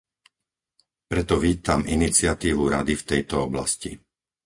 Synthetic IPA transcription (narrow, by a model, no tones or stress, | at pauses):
pɾɛt̪ɔʋiːt̪aminit͡sɪat̪iːʋuɾa̰d̪ift̪ɛjt̪ɔɔbla̰sci